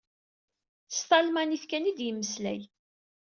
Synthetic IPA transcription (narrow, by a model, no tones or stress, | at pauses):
θə̥st̪ˤɑlmæniθkænid̪jəmːəslæ̰j